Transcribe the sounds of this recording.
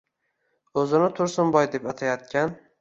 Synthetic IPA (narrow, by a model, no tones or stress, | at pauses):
ɵzɪnɪt̪ʰʊɾsɪnbɒjd̪e̞pat̪ʰajat̪̚kʲʰan